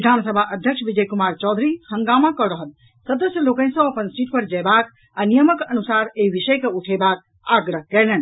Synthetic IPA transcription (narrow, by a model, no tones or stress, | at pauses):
ʋid̪ʱansəbʱaʔəd̪ʱjəksʋid͡ʒəjkumaɾt͡ʃɔd̪ʱɾihə̃ŋɡamakɔɾəɦəl | səd̪əsjəlokə̃ñsə̃əpənsiʈ̚pəɾd͡ʒɛjbak | anijəməkənusaɾeɦibiʃəjkeuʈʰebak̚ | aɡɾəɦkɛlɛn